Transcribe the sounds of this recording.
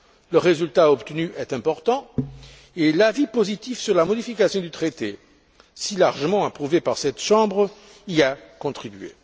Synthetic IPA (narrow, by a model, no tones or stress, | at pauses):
ləʁezylt̪aɔpt̪ənyʔɛt̪ɛ̃pɔʁt̪ɑ̃ | elavipozit̪ifsyʁlamɔd̪ifikasjɔ̃d̪yt̪χet̪e | silaʁʒəmɑ̃apχuvepaʁsɛt̪ʃɑ̃bʁ | ilakɔ̃t̪χibɥḛ